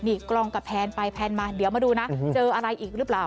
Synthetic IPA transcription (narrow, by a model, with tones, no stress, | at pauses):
niː˧˩klɔ˧ŋka˨˩pʰɛː˧npa˧jpʰɛː˧nmaː˧di˨˩˦əwmaː˧duː˧na˦˥t͡ɕɤː˧ʔa˧ɾa˧jʔiː˨˩k̚ɾɯː˦˥plaː˨˩w